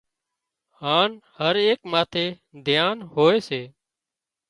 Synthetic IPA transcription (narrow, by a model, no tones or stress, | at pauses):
ɦaːnhəɾeːkmaːt̪ʰeː | d̪ʱjaːnɦoːeːseː